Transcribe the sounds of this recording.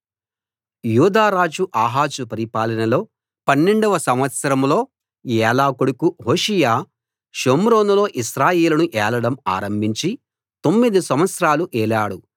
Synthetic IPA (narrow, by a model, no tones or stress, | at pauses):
juːd̪aːɾaːd͡ʒuʔaːɦaːt͡ʃupɐɾipaːlɐnɐlo̞ː | pɐnːeɳɖɐʋɐsɐmʋɐt̪sɐɾɐmlo̞ː | jɛːlaːkoɽukuɦoːʃijaː | ʃomɾoːnulo̞ːʔiʃɾaːjeːlɐnuʔɛːlɐɽɐma̰ːɾɐmbʱiɲt͡ʃi | t̪o̞mːid̪isɐmʋɐt̪sɾaːluʔɛːlaːɽu